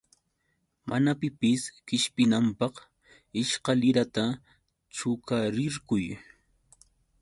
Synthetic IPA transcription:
manapɪpɪskɪʃpɪnampɑχ | ɪʃqɑlɪɾat̪a | t͡ʃʊkaɾɪɾkʊj

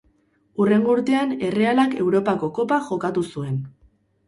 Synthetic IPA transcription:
ure̞ŋɡuɾt̪e̞ane̞re̞alake̞wɾo̞pako̞ko̞paʝo̞kat̪usue̞n

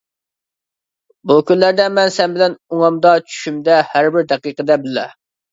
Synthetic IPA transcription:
bukʲynlæɾd̪ɛmɛnsɛnbɪlɛnuŋɑmd̪ɑt͡ʃʰy̥ʃymd̪ɛhæɾbɪɾd̪ɛqiqəd̪ɛbɪlɛ̰

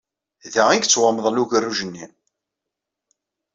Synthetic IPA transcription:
ðæiɡt͡sːwəməðˤluʝərːuʒənːi

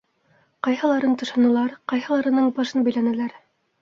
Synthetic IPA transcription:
qɑjhɑ̆lˠɑɾɤnt̪ɤ̆ʃɑnɤ̆lˠɑɾqɑjhɑ̆lˠɑɾɤ̆nɤɴbɑʃɤnbæ̆jlænælæɾ

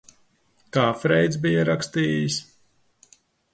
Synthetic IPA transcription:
kaːfɾɛjt̪zbijaɾakst̪iːjis

